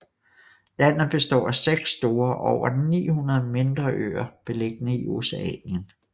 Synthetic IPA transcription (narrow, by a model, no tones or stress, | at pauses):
læn̰ð̩ˠb̥e̝sd̥ɒ̰ːæseɡ̥sːd̥o̝ːɐʔɒʊ̰ɐnḭːhunɐð̞̩ˠme̝nd̥ʁɐʔø̰ɐb̥e̝le̝ɡ̥ənəiʔo̝seɛ̰ːnjən